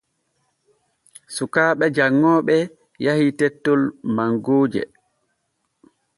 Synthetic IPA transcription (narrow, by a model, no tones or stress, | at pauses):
sukaːɓɛd͡ʒaŋːɔːɓɛ | jahitɛtːɔlmaŋɡoːd͡ʒɛ̰